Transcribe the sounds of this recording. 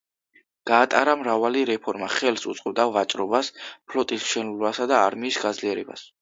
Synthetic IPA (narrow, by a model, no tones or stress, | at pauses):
ɡ̥aːt̪ʼaɾamɾavaliɾɛpʰɔɾmaχɛlsut̪sʼqʼɔb̚d̪aʁat͡ʃʼɾɔbaspʰlɔt̪ʼismʃɛnulbasad̪aːɾmiːsɡad̪zliɛɾɛ̰ba̰s